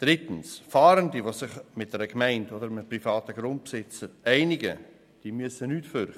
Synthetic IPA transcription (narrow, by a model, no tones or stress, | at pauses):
d̥ɾɪtən̩sfɑːɾəndiʋosɪχmɪt̚d̥ɛɾəkmɛɪndodəɾmprifɑːt̪əɡɾʊnt̚psɪt͡səæɪnɪɡə̰ | d̥iːmyəsənyːtføɾχə